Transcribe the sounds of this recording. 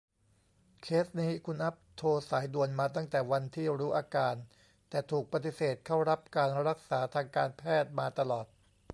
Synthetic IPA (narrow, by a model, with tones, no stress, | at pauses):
kʰeː˦˥sniː˦˥kʰu˧nʔa˦˥p̚t̪ʰoː˧saː˩˦jdu˧ənmaː˧t̪̬a˥˩ŋt̪ɛː˨˩wa˧nt̪ʰiː˥˩ɾuː˦˥ʔaː˧kaː˧n | t̪ɛː˨˩t̪ʰuː˨˩k̚pa˧t̪i˨˩seː˨˩t̪̚kʰa˥˩wɾa˦˥p̚kaː˧nɾa˦˥k̚saː˩˦t̪ʰaː˧ŋkaː˧npʰɛː˥˩t̪̚maː˧t̪a˧lɔː˨˩t̪̚